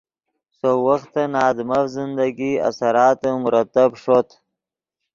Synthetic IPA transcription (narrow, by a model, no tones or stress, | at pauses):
sowaxt̪anɑːd̪mafzɪnd̪aɡia̰saɾɑːt̪əmʊɾat̪abʂot̪